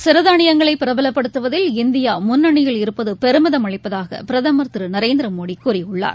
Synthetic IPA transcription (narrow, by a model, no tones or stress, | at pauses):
sɪɾɐðaːɳɪjɐŋɡɐɭɐɪpːɪɾɐbɐlɐpːɐɽɯt̪ːɯʋɐðɪlɪnd̪ɪjaːmʊnːɐɳɪjɐɭɪɾɯpːɐðɯpɛɾɯmɪðɐmɐɭɪpːɐðaːɣɐ̰pɪɾɐðamɐɾt̪ɾɯnɐɾeːnd̪ɾɐmoːɽikuːɾɪʊɭːa̰ːɾ